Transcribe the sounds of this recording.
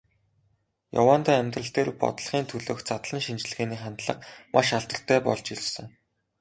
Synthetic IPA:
ja̰waːnt̪æːæmʲt̪rə̆ɬt̪eːrpɔ̰t̪̆ɮ̆χiːnt̪ʰɵɮoːxt͡sat̪ɮə̆nʃint͡ɕ̆ɮɣeːniːχant̪ɮə̆q̚mʔaʃaɮt̪ə̆ɬt̪ʰæːpɔ̰ɮt͡ɕiɮsɘ̆ŋ

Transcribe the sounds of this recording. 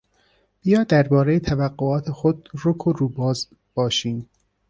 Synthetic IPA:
b̥ijɒːd̪æɾbɒːɾejet̪ʰævæɡːoɒːt̪ʰexod̪ɾokʰoɾuːbɒːz | b̥ɒːʃiːm

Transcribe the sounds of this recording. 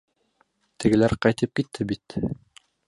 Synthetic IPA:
t̪ɘ̆ɡɘ̆læɾqɑjt̪ɤp̚kit̪ʰːɘbit̪

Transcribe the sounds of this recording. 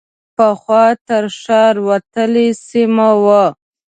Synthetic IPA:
pəxwɑt̪əɾʃɑɾwat̪əlesimawa

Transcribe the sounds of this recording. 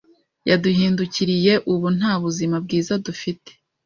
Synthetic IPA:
jaduhiːnduciɾije̞ʔuβun̥haːβuzimab̚ɡiːzadufite̥

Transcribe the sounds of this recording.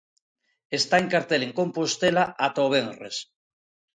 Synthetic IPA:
est̪aeŋkaɾt̪eleŋkõ̞mpost̪elaʔat̪oβ̞enres

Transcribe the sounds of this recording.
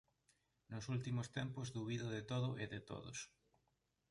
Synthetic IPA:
nʊsult̪imost̪ɛmpozðuβiðoðet̪oðʊʔeðet̪o̰ðo̰s

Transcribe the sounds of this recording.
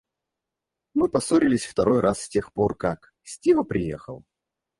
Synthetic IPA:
mɨpɐsoɾʲɪlʲɪsʲft̪ɐɾo̞jrʔassʲtʲe̞xporkak | sʲtʲivəpɾʲɪjḛxəlˠ

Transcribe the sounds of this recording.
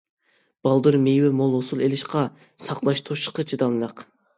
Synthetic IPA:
b̥ɑlˠd̪ɨɾmejwɪmolˠosulˠelɪʃqɑ | sɑqlˠɑʃt̪ʰoʃə̥qʰət͡ʃʰid̪ɑmlˠɑq

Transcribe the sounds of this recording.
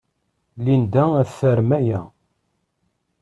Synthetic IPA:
lind̪ææθθːəɾmæjæ

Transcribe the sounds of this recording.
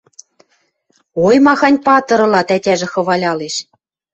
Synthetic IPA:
ojmɑxɑnʲpɑt̪ɤ̆ɾɤ̆lɑt̪ætʲæʒĕxɤ̆βɑlʲɑleʃ

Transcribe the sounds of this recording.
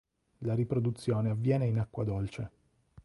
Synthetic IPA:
laɾipɾod̪ut̪sːjoːneavːjɛːneinakːwad̪olt͡ʃe

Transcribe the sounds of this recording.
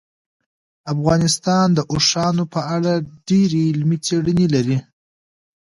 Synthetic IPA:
afɣɑnɪst̪ɑnd̪əʔoʂɑnopəaɽaɖeɾelmit͡seɽənelaɾi

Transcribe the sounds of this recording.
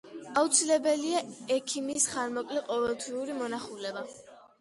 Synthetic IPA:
aut̪sʰilɛbɛliaɛkʰimisχaɾmɔkʼliqʼɔvɛlˠt̪ʰviuɾimɔnaχulɛba

